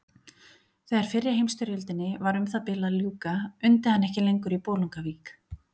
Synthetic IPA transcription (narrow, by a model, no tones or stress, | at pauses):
θejaɾ̥fɪrːɪɾ̥hejmst̪ʏɾjʏlt̪ɪnːɪvaɾʏmθapɪlaljuːkaʏnt̪ɪhanːɛhcɪlejŋkʏɾipoːluŋkaviːk